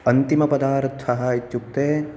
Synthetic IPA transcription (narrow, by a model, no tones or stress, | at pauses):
ɐnt̪imɐpɐd̪aːɾt̪ʰːɐɦaːit͡ʃuk̚t̪e